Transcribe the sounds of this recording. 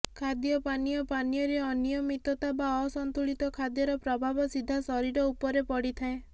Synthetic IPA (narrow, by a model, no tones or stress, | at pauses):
kʰad̪jɔpanijɔpanijɔɾeɔnijɔmit̪ɔt̪abaɔsɔnt̪uɭit̪ɔkʰad̪jɔɾɔpɾɔbʱabɔsid̪ʱːasɔɾiɾɔupɔɾepɔɽit̪ʰaẽ